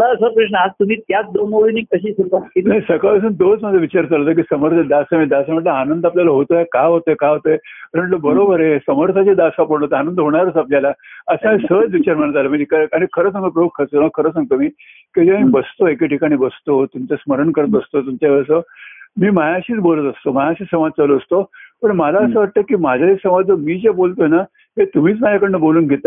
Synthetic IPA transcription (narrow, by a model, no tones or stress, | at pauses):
səsəpɾəʂnəad͡zt̪um̤iːt̪jat͡sd̪onoɭiniːkəɕiːsuɾkakinajsəkaəs̬uːnd̪ot͡sməd͡z̪ʱaʋit͡ɕaɾt͡salot̪əkiːsəməɾt̪ʰed̪asamiːd̪asaməʈləanənd̪aplʲjalaɦot̪ojakaɦot̪əekaɦot̪oeɾəɳləbəɾobəɾesəməɾt̪ʰat͡ɕed̪asapəɽ̃ɦot̪eanənd̪ɦoɽ̃aɾəːt͡sapljalaəsəmsət͡sʋit͡ɕaɾm̤əɳət̪aləmitʰikaɾaɽ̃ikʰəɾəːsãŋɡt̪əp̬ɾəukʰːət͡soməɡ̚kʰəɾəːsãŋɡ̚t̪omiː | ked͡ʑemibəst̪oekeʈʰikaɽ̃iːbəst̪ot̪umt͡ɕasməɾəɳkəɾət̪əst̪ot̪umt͡ɕaʋəɾsəmiːmajaɕiːt͡sbolət̪əst̪omajaɕiːsəmad͡z̚t͡saloəst̪opəɳmalaəsəʋaʈ̚t̪əekiːmad͡ʑʱaesəmad͡zəmiːd͡ʑebolt̪oena | ɦet̪um̤iːt͡smad͡ʑakəɽɳneboluːnɡʱet̪